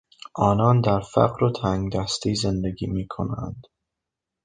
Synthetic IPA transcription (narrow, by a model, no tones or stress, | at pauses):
ʔɒːnɒːnd̪æɾfæ̰ɣɾot̪ʰæŋɡd̪æst̪iːze̞nd̪eɡiːmiːkʰo̰næ̰nd̪̥